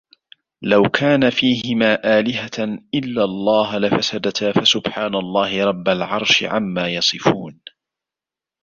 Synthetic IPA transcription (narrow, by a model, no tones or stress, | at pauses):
lawkʰaːnafiːɦɪmaːʔaːlɪɦaʔɪlːalˤːɑːɦlafasad̪at̪afasʊbħaːnalˤːɑːhɪɾˤɑbːalʕɑɾˤʃɪ̰ʕa̰mːaːjɑsˤɨfuːn